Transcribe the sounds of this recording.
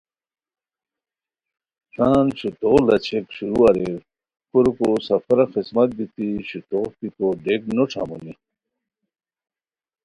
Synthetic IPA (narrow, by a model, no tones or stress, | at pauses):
saːnɕit̪olɐt͡ɕʰekɕuɾuaɾe | kuɾukosɐfɐɾaxismɐt̪̚bit̪iɕit̪opikoɖeknoʈ͡ʂʰa̰muni